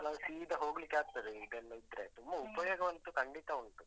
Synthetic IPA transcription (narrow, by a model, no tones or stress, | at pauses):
ɐlɐsiːd̪ɐɦo̞ːɡlikːeaːɡ̚t̪ɐd̪eid̪enːuid̪ɾe̞t̪umbɐupɐjoːɡɐʋɐnt̪ukɐɳɖit̪ɐuɳʈ̪u